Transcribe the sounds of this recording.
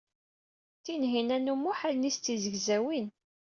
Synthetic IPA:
t̪ːinɦinænumːuħalnist͡s̪ːizəɡzæwin

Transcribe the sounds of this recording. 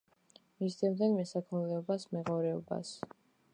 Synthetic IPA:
misd̪ɛmd̪ɛnmɛsakʰmlɛɔbasmɛʁɔɾɛɔ̰ba̰s

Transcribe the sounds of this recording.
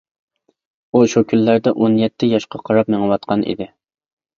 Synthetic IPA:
uʃukʲʰylːæɾd̪ɛʔonjɛt̪ʰːɪjɑʃqʰɑqʰɑɾɑp̚meŋəwɑt̪̚qʰɑnʔḭd̪ɪ

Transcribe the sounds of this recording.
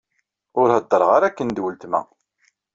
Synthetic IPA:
ʊɾhəd̪ˤːəɾˤʁaɾækːənd̪wəlt̪mæ̰

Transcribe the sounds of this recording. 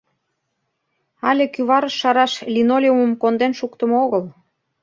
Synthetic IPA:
ɑlʲekyβɑɾəʃːɑɾɑʃlʲinolʲeumə̆mkond̪enʃukt̪əmoɣəl

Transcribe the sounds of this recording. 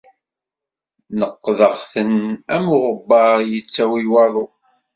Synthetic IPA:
nəqːðəʁθənæmʊʁəbːɑʁjət͡sːæwiwɑðˤo

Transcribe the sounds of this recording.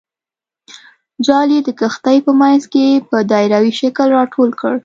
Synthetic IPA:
d͡ʒɑled̪əkəxt̪ajpəmanzkepəd̪ɑɪɾawiʃakəlɾɑʈʰolkəɽ

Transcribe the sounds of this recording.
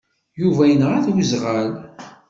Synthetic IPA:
juvæjənəʁæθwizʁəl

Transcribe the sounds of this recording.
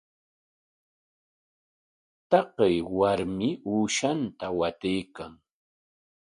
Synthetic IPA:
t̪ɑqejwaɾmɪuːʃant̪awat̪ejkaŋ

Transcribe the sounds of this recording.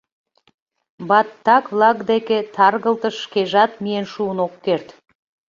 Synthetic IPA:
bɑt̪ːɑkvlˠɑɡd̪eket̪ʰɑrɣə̆lˠt̪əʃkeʒɑt̪mijenʃuənokːert̪

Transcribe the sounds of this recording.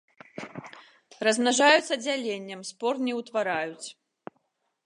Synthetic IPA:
rɐznaʐajut̪sːɐd͡zʲalʲenʲːɐmspɔrt̪nʲɛwt̪vaɾajut͡sʲ

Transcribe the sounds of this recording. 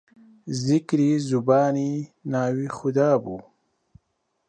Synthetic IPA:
zɪkɾizubɑːninɑːwixʊd̪ɑːbu

